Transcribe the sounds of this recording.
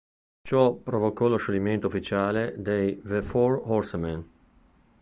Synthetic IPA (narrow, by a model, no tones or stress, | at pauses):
t͡ʃɔpɾovokɔloʃoliment̪oufit͡ʃaːled̪ejvefɔɾhɔɾsmɛn